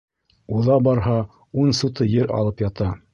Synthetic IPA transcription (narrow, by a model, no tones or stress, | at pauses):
uðɑbɑɾɦɑ | unsut̪ɤjɘɾʔɑ̰lˠɤpjɑt̪ɑ